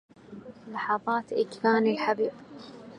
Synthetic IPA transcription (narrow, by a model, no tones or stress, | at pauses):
lɑħɑðˤɑːt̪ʔɪkfaːnilħabiːb